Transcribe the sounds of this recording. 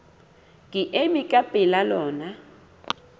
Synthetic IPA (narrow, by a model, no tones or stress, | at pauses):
ŋʱiʔeɓikʼapʼɛlalɔːna